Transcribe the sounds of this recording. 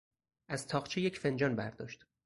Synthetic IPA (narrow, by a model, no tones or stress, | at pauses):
ʔæz̥t̪ʰɒːχt͡ʃʰejecʰfe̞nd͡ʒɒːnbæɾd̪ɒ̰ːʃt̪